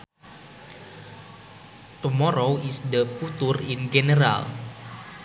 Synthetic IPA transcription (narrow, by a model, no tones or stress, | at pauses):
t̪umɔɾowisd̪əput̪urinɡenəɾa̰l